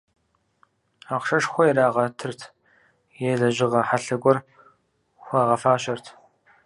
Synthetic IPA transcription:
aqʂɐʂxʷɔjɛɾaːʁɐtʰɨrtʰ | jeːɮɐʑɪʁɐħaɬɐɡʷɔr | xʷɑːʁɐfaːɕɐrtʰ

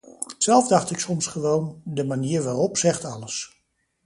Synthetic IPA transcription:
sɛlˠvdɑχtɪksɔmsχəʋowndəmaniːɹʋaːrɔpsɛχtɑləs

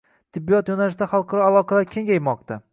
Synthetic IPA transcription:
t̪ʰɪbːijɒt̪jonalɪʃd̪aχɑlˠqʰɑɾɒalˠɒqʰɑlaɾkʲʰe̞ŋɡʲajmɒqt̪ʰa

